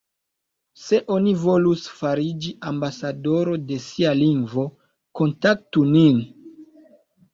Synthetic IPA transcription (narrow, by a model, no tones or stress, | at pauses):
se̞ʔo̞nivo̞lusfaɾid͡ʒiʔambasado̞ɾo̞de̞sialiŋɡvo̞ | ko̞ntak̚tunin